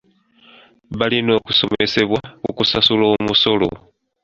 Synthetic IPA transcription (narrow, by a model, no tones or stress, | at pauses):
βalino̞ːkuso̞me̞se̞βwakṵkusasuloːmuso̞lo̞̰